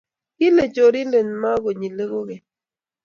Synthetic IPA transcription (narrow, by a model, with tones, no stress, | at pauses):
ki˦le˨d͡ʒo˨ɾi˦le˨nma˦ɣo˨ɲi˨le˦ɣo˦ɣe˨